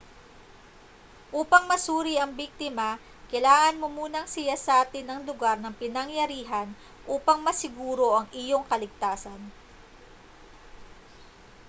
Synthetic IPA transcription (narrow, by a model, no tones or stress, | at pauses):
ʔuːpɐŋmɐsuːɾiɐŋbik̚t̪ɪma | kɐjlaːŋɐnmomuːnɐŋsɪjasɐʔaːt̪ɪnɐŋlʊɡaɾnɐŋpɪnɐŋjɐɾiːɦɐn | ʔuːpɐŋmɐsɪɡuːɾo̞ʔɐŋʔɪjo̞ŋkɐlɪɡ̚t̪aːsɐn